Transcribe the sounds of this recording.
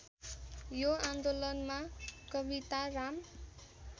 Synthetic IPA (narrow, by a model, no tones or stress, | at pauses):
joand̪olʌnmakʌbit̪aram